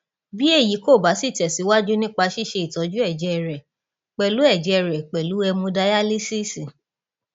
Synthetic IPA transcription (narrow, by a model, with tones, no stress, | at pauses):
bi˦e˦˨ji˨˦ko˦˨ba˨˦si˦˨tɛ˨si˨˦wa˦d͡ʒu˦nĩ˦k͡pa˧ʃi˦˨ʃe˧i˨tɔ˨˦d͡ʒu˦ɛ˦˨d͡ʒɛ˨˦˧ɾɛ˨ | k͡pɛ˨lu˨˦ɛ˦˨d͡ʒɛ˧ɾɛ˨k͡pɛ˨lu˨˦ɛ˧mũ˧da˧ja˦li˦si˦si˨